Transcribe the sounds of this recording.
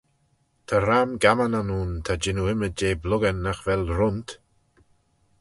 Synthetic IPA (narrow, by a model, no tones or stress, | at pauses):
t̪ʰaɾamɡamananuːnt̪ʰad͡ʒɪnuɪməd͡ʒeːblʊɡənːaxvɛlɾʊnt̪